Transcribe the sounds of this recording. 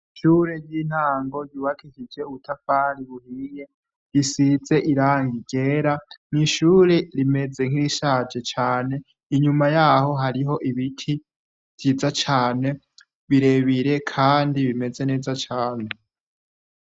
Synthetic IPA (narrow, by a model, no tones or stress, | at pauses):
ʃuːɾeɟjiːn̥aːŋɡo̞ɟuːβakʰikid͡ʒe̞uβutʰafaːɾiβuhiːje̞ | jisid͡ze̞ʔiɾaːŋɡiɡ̥e̞ːɾaniʃuːɾeɾime̞d͡zeŋ̥iɾiʃaːd͡ʒe̞t͡ʃaːne̞ | iɲumajaho̞ɦaɾiɦo̞ʔiβitʰi | v̥jizat͡ʃaːne̞ | βiɾe̞βiɾe̞kʰaːndiβime̞ze̞ne̞ːzat͡ʃaːne